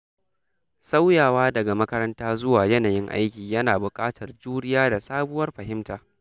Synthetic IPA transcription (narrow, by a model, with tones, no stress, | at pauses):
sa˦wjaː˨waː˦dɐ˨ɡa˨mɐ˦kɐ˦ɾɐ˦ntaː˦zʊ˦waː˨jɐ˦naː˨jɪ˦ŋʔa̰˦jkʲiː˨jɐ˦naː˨bʊ˨kʼaː˦tʰɐ˨rd͡ʒuː˦ɽɪ˦jaː˦da˨saː˦bʊ˦wɐ˦rɸɐ˨ɦɪ˦mtaː˨